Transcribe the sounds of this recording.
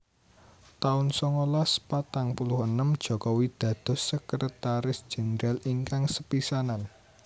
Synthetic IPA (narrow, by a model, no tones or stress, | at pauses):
t̪aʊnsɔŋolaspat̪aŋpulʊhənəmd̥ʒ̥ɔ̤kɔwid̪̥ä̤d̪̥ɔ̤səkəɾət̪aɾɪsd̥ʒ̥ɛ̤nəɾaliŋkaŋsəpisanan